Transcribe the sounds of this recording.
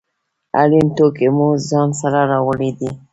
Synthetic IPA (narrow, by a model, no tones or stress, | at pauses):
a̰ɾint̪okemuzɑnsaɾaɾawəlid̪i